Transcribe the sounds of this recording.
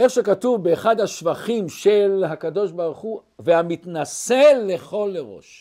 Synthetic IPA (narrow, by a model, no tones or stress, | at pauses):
e̞χʃekat̪uvbeːχad̪haʃvaχimʃelɦakad̪o̞ʃbaʁuχu | veamit̪naselːe̞χo̞lːeʁo̞̰ʃ